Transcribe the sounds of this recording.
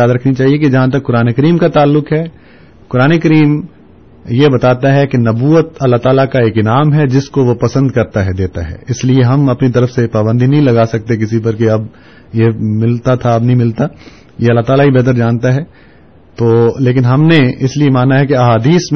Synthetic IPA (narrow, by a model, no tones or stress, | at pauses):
aːd̪ɾɐkʰnit͡ʃaːɦiek̬id͡ʒɐɦãt̪̬ɐkːʊɾaːnekɐɾiːmkat̪aːlːʊkɦɛː | kʊɾaːnekɐɾiːm | jebɐt̪aːt̪aɦɛkinɐbuːət̪ɐlːaɦt̪aːlakaeːkinaːmɦɛd͡ʒɪskoʋopɐsə̃nd̪kɐɾt̪aɦɛd̪eːt̪aɦɛ̰ɪslieɦɐmɐpnit̪̬ɐɾəfsepaːbə̃nd̪ʱinɐɦĩlɐɡaːsɐk̚t̪ek̬ɪsipɐɾkeɐb | jemɪlt̪at̪ʰaɐbnɐɦĩmɪlt̪a | jeɐlːaɦt̪aːlaɦibɛːt̪̬əɾd͡ʒãːnt̪aɦɛː | t̪oːleːk̬ɪnɦɐmneɪsliemaːnaɦɛkeɐɦaːd̪iːsm